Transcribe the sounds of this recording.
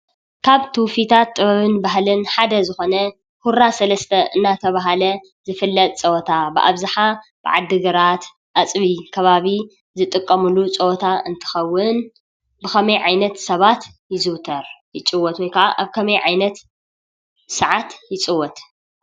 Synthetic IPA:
kʰaβt̪ʰɨwfit̪ʰat̪ʼːɨβɐβɨnbaɦlɨnħad̪ɐzɨxo̞nɐ | huɾasɐlɐst̪ʰɐʔɨnːat̪ʰɐβaɦalɐ | zɨfɨlːɐt̪ʼt͡sʼɐwɔt̪ʰabɨʔa̰βzɨħab̥ɨ̰ʕa̰d̪ːɨɡɐɾat̪ | ʔat͡sʼβikʰɐβaβi | zɨt̪ʼɨkʼːɐmulut͡sʼɐwt̪ʰaɨnt̪ʰɨ̥xɐwːɨn | bɨxɐmɐjʕajnɐt̪sɐβat̪jɪzɨwt̪ʰɐɾjɪt͡sʼɨwɔt̪wɔjkʰaʔaʔaβkʰɐmɐjʕajnɐt̪ | sɐʕat̪jɪt͡sʼɨwɔt̪

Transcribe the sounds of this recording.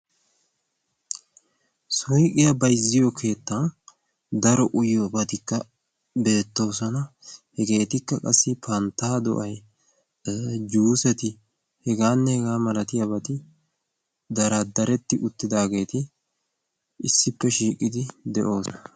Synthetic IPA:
sɔjkʼɪjɐbɐjzːɪjɔkʰe̞ːt̪ːɐn | d̪ɐɾɔʔʊjɔbɐt̪ɪkːɐ | be̞ːt̪ːo̞ːsɔnɐhɛɡe̞ːt̪ɪkːɐkʼɐsːɪpʰɐnt̪ːaːd̪ɔ̰ʔɐj | d͡ʒuːsɛt̪ɪ | hɛɡaːnːɛhɛɡaːmɐlɐt̪ɪjɐbɐt̪ɪ | d̪ɐɾɐd̪ɐɾɛt̪ːɪʔʊt̪ːɪd̪aːɡe̞ːt̪ɪ | ɪsːɪpːɛʃiːkʼːɪd̪ɪd̪ɛʔo̞ːsɔ

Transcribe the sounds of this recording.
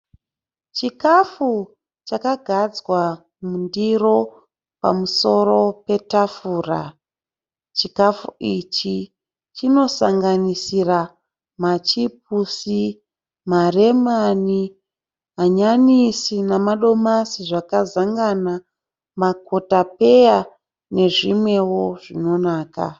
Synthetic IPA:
t͡ʃikafu | t͡ʃakaɡʱad͡zwa | mundiro̞ | pa̰muso̞ɾo̞pe̞tafuːra̰ | t͡ʃikafuit͡ʃi | t͡ʃino̞saŋɡanisira | mat͡ʃip̚usi | mare̞mani | ɦaɲanisinamaɗo̞masiʐakazaŋɡana | mako̞tape̞ja | ne̞ʐimwe̞wo̞ʐino̞naːka̰

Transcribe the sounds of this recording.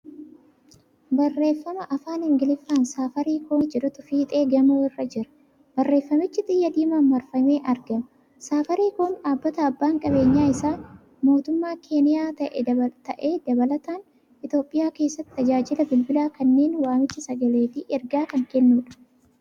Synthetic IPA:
bɐrːe̞ːfːɐmɐʔɐfaːnɪŋɡɪlɪfːaːnsaːfɐɾiːkoːnd͡ʒɛɾʊt̪ʊfiːt̪ʼe̞ːɡɐmuːɪrːɐd͡ʒɪɾɐ̥ | b̥ɐrːe̞ːfːɐmɪt͡ʃːɪt̪ʼɪjːɐd̪iːmaːnmɐɾfɐmeːʔɐɾɡɐmɐ | saːfɐɾiːkoːnᶑaːbːɐt̪ɐɐbːaːŋkʼɐbe̞ːɲːaːɪsaː | mo̞ːt̪ʊmːaːkʰe̞ːnɪjaːt̪ɐʔɛt̪ɐʔeːd̪ɐbɐlɐt̪aːn | ɪt̪jo̞ːpʼːɪjaːke̞ːsːɐt̪ːɪ̥t̪ɐd͡ʒaːd͡ʒɪlɐbɪlbɪlaːkɐnːe̞ːnwaːmɪt͡ʃːɪsɐɡɐle̞ːtɪɛɾɡaːkɐŋkɛnːuːᶑɐ̥

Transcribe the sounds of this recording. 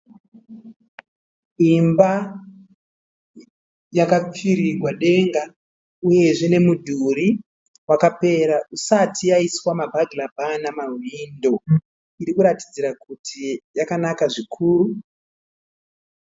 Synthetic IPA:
imba | jakap͡fiɾirwaɗe̞ŋɡa | uje̞ʐene̞mudʱuɾi | wakape̞ɾaʔusatʰijaiswamabʱaɡʱilabʱanamaɦindo̞ | iɾikuɾati̥d͡ziɾakutʰijakanakaʐikʰuːɾu

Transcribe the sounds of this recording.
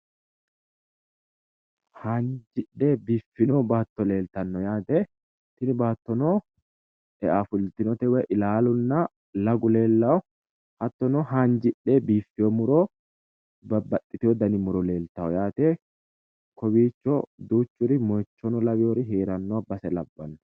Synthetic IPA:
hand͡ʒɪᶑeːbiːfːɪnoːbaːt̪ːɔle̞ːlt̪ɐnːɔjaːt̪e | t̪ɪnɪbaːt̪ːɔnoː | ɛʔafʊlt̪ɪnɔt̪ɛwɛʔɪlaːlʊnːɐ | lɐɡʊle̞ːlːɐɔ | hɐt̪ːɔnɔɦaːnd͡ʒɪɗːeːbiːfːɪjɔmʊɾɔ | bɐbɐt̪ʼːɪt̪ɪjɔd̪ɐnɪmʊɾɔle̞ːlt̪ɐwɔjaːt̪eː | kɔbiːt͡ʃːɔd̪uːt͡ʃːʊɾɪmɔjt͡ʃːɔnɔlɐwɪjɔɾɪɦeːɾɐnːɔbɐsɛlɐbːɐnː

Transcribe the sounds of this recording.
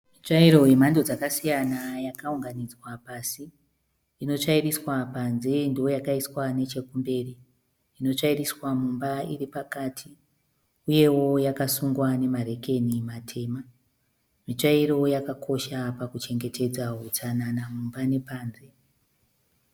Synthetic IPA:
mit͡ʂaiɾo̞je̞mando̞d͡zakasijanajakauŋɡanid͡zwapasi | ino̞t͡ʂairiswapanze̞ndio̞jakaiswane̞t͡ʃe̞kumbe̞ːriː | no̞t͡ʂairiswamumbairipakatʰi | uje̞wo̞jakasuŋɡwane̞maɾe̞ke̞nimatʰe̞ːma | mit͡ʂaiɾo̞jakakʰo̞ʃapakut͡ʃe̞ŋɡe̞tʰe̞d͡zaɦut͡sananamumbane̞paːnze̞

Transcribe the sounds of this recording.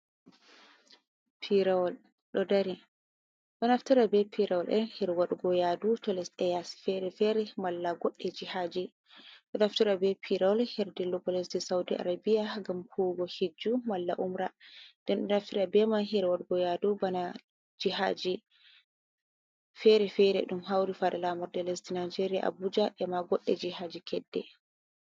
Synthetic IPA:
pʰiɾawɔl | ɗɔdaɾi | ɗɔnaftiɾabɛpʰiɾawɔlʔɛnhiɾwaɗuɡɔjadutɔlɛsɛjasi̥fɛɾɛfɛɾɛmalːaɡɔɗːɛd͡ʒihad͡ʒi | ɗɔnaftiɾabɛpʰiɾawɔlhiɾdilɔbɔlɛsdɛsaudiʔa̰ɾabijaɡamkʰuɡɔhid͡ʒːumalːaʔumɾandɛnɗɔnaftiɗabɛmanɦɛɾɛwaɗuɡɔjadubana | d͡ʒiha̰d͡ʒi | fɛɾɛfɛɾɛ̰ɗumɦawɾifaɗɛlamɔɾdɛlɛsdinajd͡ʒeɾija̰ʔa̰bud͡ʒaʔɛmaɡɔɗːɛd͡ʒihad͡ʒikʰɛdːɛ̰

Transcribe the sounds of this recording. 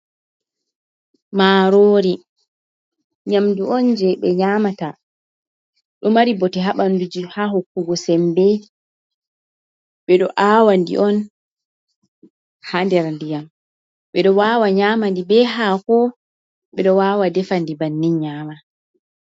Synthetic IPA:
maːɾoːɾi | ɲamduɔnd͡ʒɛɓɛɲaːmata | ɗɔmaɾibɔtɛɦaɓandud͡ʒihaɦokːuɡɔsɛmbɛ | ɓɛɗɔʔaːwandḭʔɔn | handɛɾandijam | ɓɛɗɔwaːwaɲaːmandibɛɦaːkɔ | ɓɛɗɔwaːwadɛfandibanːiɲaːma

